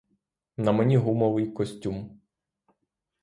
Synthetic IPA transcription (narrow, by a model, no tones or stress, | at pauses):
nɐmenʲiɦumɔʋɪjkɔsʲtʲum